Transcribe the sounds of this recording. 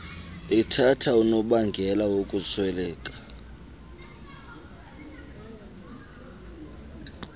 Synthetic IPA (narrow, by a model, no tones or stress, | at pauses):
itʰatʰaunɔɓaŋɡʱɛlawokʼusʰwɛlɛːkʼḁ